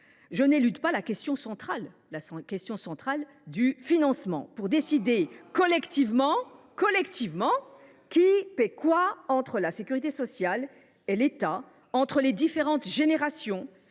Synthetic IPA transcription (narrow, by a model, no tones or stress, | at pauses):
ʒənelyt̪palakʲɛst̪jɔ̃sɑ̃t̪χalː | askʲɛst̪jɔ̃sɑ̃t̪χal | d̪yfinɑ̃smɑ̰̃puʁd̪esid̪ekɔlɛkt̪ivmɑ̃ | kɔlɛkt̪ivmɑ̃ | kʲipɛkwaɑ̃t̪χəlasekʲyʁit̪esɔsjal | elet̪a | ɑ̃t̪χəled̪ifeʁɑ̃t̪ʒeneʁasjɔ̃